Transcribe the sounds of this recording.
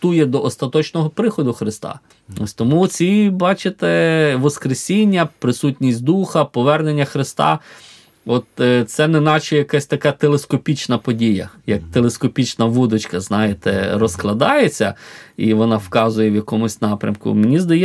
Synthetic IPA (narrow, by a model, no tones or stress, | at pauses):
t̪ujɛd̪ɔʔɔst̪ɐt̪ɔt͡ʃnɔɦɔpɾɪxɔd̪ʊxɾɪst̪ɑ̰ | ɔsʲt̪ɔmut͡sʲibɑt͡ʃɪt̪ɛʋɔskɾesʲinʲːɐpɾɪsutʲnʲisʲtʲd̪uxɐpɔʋɛrnenʲːɐxɾɪst̪ɑ̰ | ɔt̪t̪sɛnenɑt͡ʃɛjɐkasʲt̪ɐkɑt̪elˠeskɔpʲit͡ʃnɐpɔdʲijɐ̰jɐk̚t̪elˠeskɔpʲit͡ʃnɐʋud̪ɔt͡ʃkɐznɑjet̪ɛ̰ɾɔsklˠɐd̪ɑjet͡sʲːɐiʋɔnɑwkɑzʊjɛwjɐkɔmʊsʲnɑpɾʲɐ̰mkʊ̰menʲizd̪ɐjɛ